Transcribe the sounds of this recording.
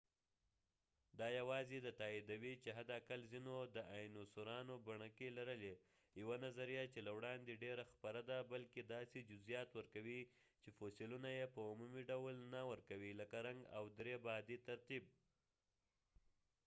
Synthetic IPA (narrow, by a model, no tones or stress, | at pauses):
d̪ɑjawɑzed̪ət̪ɑid̪awit͡ʃeɦad̪akalzinod̪əʔajnosoɾɑnobaɳəkelaɾəle | jawanazaɾijat͡ʃelawɽɑnd̪eɖeɾaxpaɾad̪abalked̪ɑsed͡ʒʊzijɑt̪wəɾkawi | t͡ʃefosɪlunajepəumumiɖawlnawəɾkawiləkaɾaŋɡa̰wd̪ɾebɑd̪it̪aɾt̪ib̚